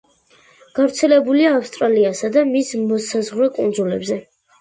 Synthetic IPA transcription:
ɡ̥avɾt̪sʰɛlɛbuliaːfst̪ʼɾaliasad̪amismɔsazʁɾɛkʼund̪zulɛbzɛ

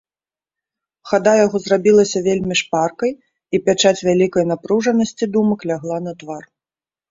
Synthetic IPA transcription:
xad̪ajaɣɔzrabʲilˠɐsʲɐvʲelʲmʲiʂparkɐj | ipʲat͡ʂat͡sʲvʲalʲikɐjn̪apɾuʐɐnɐsʲt͡sʲid̪umɐklʲaɣlˠanɐt̪var

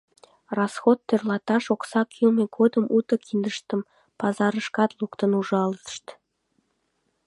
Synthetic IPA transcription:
rɑsxot̪ːørlɑt̪ɑʃoksɑkʰilmeɡod̪əmut̪əkind̪əʃt̪əm | pɑzɑɾəʃkɑt̪lukt̪ənuʒɑləʃt̪

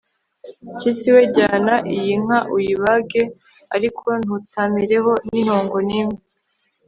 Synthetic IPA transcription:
cisiweɟaːnaʔijiŋ̥aʔujiβaɡe | aɾikʰo̞n̥utamiɾe̞ɦo̞niɾoːŋɡo̞nimi

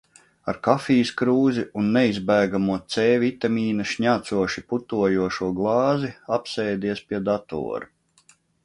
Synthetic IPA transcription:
aɾkafiːskɾuːziunːɛizbæːɡamuɔt̪sɛːvʲit̪amʲiːnɐʃɲaːt̪suɔʃiput̪uɔjuɔʃuɔɡlˠɑːziapsɛːd̪iɛspʲiɛd̪at̪ɔ̰ːɾu

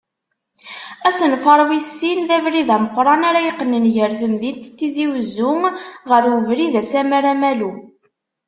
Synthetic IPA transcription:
æsənfəɾˤwisːinðævɾiðæməqʷːɾˤɑnaɾæjəqːənənʝəɾθəmðint̪θːiziwəzːʊŋʁəɾwəvɾiðæsæmæɾæmælu

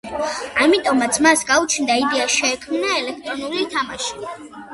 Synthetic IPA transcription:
amit̪ʼɔmat̪sʰmasɡaut͡ʃʰnd̪aid̪ɛaʃɛːkʰmnaɛlɛkʰt̪ʼɾɔnulit̪ʰamaʃi̥

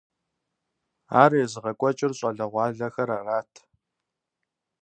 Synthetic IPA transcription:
aːrejzɨʁɐkʷʼɔt͡ʃʼɪrɕʼɐɮɐʁʷɑːɮɐxɐɾaraːtʰ

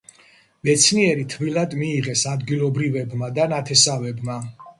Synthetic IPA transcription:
mɛt̪sʰniɛɾit̪ʰvilˠad̪miːʁɛsad̪ɡilˠɔbɾivɛbmad̪anat̪ʰɛsavɛbma

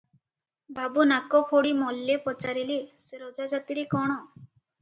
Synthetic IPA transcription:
bʱabunakɔpʰoɽimɔlːepɔt͡ʃaɾiliseɾɔd͡ʒad͡ʒat̪iɾekɔɽ̃ɔ

